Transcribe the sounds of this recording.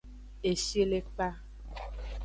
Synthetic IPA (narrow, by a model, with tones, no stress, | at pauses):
e˨ʃe˦le˦k͡pa˦